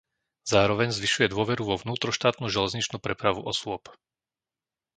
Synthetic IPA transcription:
z̥aːɾɔʋɛɲzʋiʃujɛd̪ʊɔʋɛɾuʋɔvnuːt̪ɾɔʃt̪aːt̪nuʒɛlɛzɲit͡ʃnupɾɛpɾaʋuʔɔsʊɔp

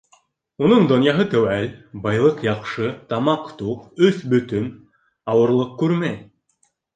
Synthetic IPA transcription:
unɤɴd̪ŏnjɑɦɤt̪æwælbɑjlˠɤqjɑqʃɤt̪ɑmɑqt̪uqɵθbɵ̆t̪ɵn | ɑwɤ̆ɾlˠɤq̚kʉɾmæj

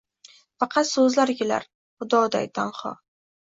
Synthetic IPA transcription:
fɑqʰɑt̪sɵzlaɾɡʲɪla̰ɾ | χʊd̪ɒd̪a̰jt̪ʰanχɒ̰

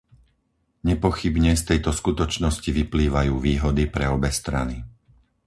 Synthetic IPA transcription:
ɲɛpɔxibɲɛst̪ɛjt̪ɔskut̪ɔt͡ʃnɔsciʋipliːʋajuːʋiːɦɔd̪ipɾɛɔbɛst̪ɾa̰ni

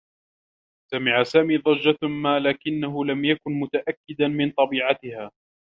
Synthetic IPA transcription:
samɪʕasaːmiːðˤɑd͡ʒːamaːlaːkɪnːaɦʊlamjakʊnmʊt̪aʔakːɪd̪amɪnt̪ˤɑbiːʕat̪ɪhaː

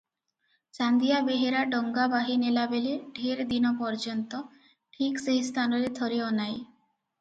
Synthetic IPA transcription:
t͡ʃand̪ijabeɦeɾaɖɔŋɡabaɦinelabeleɖʱeɾd̪inɔpɔɾd͡ʑɔnt̪o | ʈʰikseɦist̪ʰanɔɾed̪ʱoɾeɔnaj

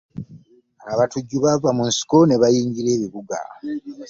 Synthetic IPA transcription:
aβatuɟːuβavamunsi̥ko̞ne̞βajiːɲɟiɾe̞ːβiβuɡa̰

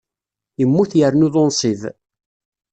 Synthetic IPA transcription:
əmːuθjəɾnʊðˤonsˤið

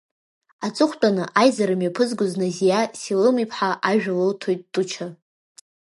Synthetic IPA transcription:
at͡sʼɨχʷtʼanɨʔajzaɾɨmjapʰɨzɡʷʊznazijasilɨmipʰħaʔaʒᶣaloltʰojt̚ʼːut͡ʃʰa

